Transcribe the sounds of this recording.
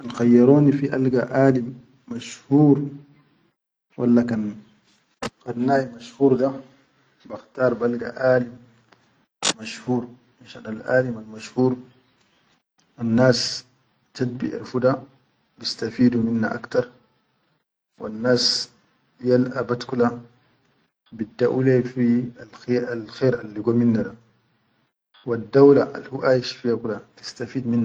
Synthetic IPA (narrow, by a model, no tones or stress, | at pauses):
ʔanxajːɑɾˤoːnifiʔalɡaʔaːlimː | aʃhuːɾ | wa̰lːakan | xanːaːjmaʃhuːɾd̪a | baxt̪ɑːɾˤbalɡa̰ʔaːlim | maʃhuːɾ | maʃanalʔa̰ːlimalmaʃhuːɾ | wanːaːs | t̪ad̪̚bḭʔa̰lfud̪a | bist̪afiːd̪uminːaʔa̰kt̪ɑɾˤ | wa̰nːaːs | jalʔabat̪kula | bid̪ːaʔulefialxealxeːɾalːiɡoːminːada | wad̪ːawlaʔa̰lhuʔajiʃfijakulat̪i̥st̪afiːd̪minːa